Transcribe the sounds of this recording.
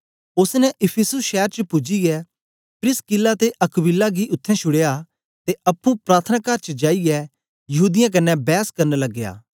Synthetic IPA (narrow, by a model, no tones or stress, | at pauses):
ʊsnɛʔɪpʰɪsʊsʃɛːɾt͡ʃəpʊd͡ʒiɛ | pɾɪskɪlːat̪eʔɐkbɪlːaɡiʔʊt̪ʰːɛ̃ʃʰʊɽeja | t̪eʔɐpːũpɾaːɾt̪ʰənaːkaːɾt͡ʃəd͡ʒaːiɡɛ | jɐɦuːd̪ɪjãk̬ɐnːɛbɛːskɐɾnlɐɡːeja̰ː